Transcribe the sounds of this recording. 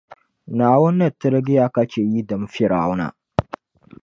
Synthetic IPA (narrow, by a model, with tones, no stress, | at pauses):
na˨wʊ˦nːɐ˦˨tːə˦ɾɡɪ˦ja˦ka˦t͡ʃe˨ji˦dɐ˨m˦fi˦ɾaː˨˦wna̰˨